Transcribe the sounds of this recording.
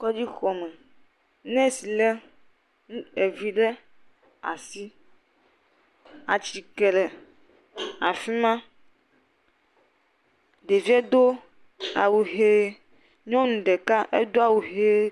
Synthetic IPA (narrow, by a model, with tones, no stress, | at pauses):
kɔ˦d͡ʑi˦xɔ˨mɛ̃˨ | nɛ̃˦si˨lɛ˦ | ũ˦e˨vi˨ɖɛ˦ | a̰˨si˦ | a˨t͡ʃi˨kɛ˨lɛ˨ | a˨fi˦mã˦ | ɖe˨vi˦ɛ˦d̪o˦ | a̰˨wu˨ɦe˦ | ɲɔ̃˦nũ˨ɖɛ˨ka˦ʔe˦d̪o˦a˨wu˨ɦe˦